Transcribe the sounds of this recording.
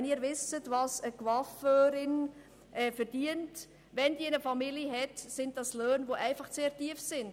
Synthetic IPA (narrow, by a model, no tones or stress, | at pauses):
niːɾvɪsətvɑsəkvɑføːɾɪn | ʔɛːfɛɾd̥iənt | vɛndiːɪnəfɑmiləɦɛtsɪnt̚d̥ɑsløːnvoʔæɪfɑχt͡seːɾtiəfsɪnd